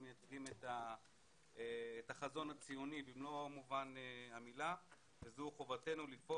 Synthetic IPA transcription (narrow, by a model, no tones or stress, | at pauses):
mejat͡sʁimeta | eːtaχazo̞nat͡sijonibimlomuvaneamila | vezeuχo̞vate̞nulifo